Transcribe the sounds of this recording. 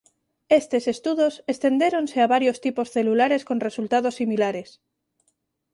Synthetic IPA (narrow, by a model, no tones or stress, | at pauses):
est̪ese̞st̪uðosest̪e̞nd̪eɾonseaβaɾjost̪iposθe̞lulaɾe̞skonre̞sult̪aðosːimilaɾes